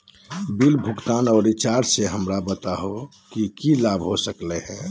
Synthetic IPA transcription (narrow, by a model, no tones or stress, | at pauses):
bilbʱʊɡt̪aːnɔːɾɪt͡ʃaːɾseɦəmɾabət̪aɦo | kikilaːbʱɦosəkleɦɛ̃ː